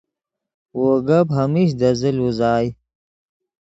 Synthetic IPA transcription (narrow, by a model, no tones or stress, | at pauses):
woːɡɐbɦɐmiɕ̬d̪ɐziluzaːj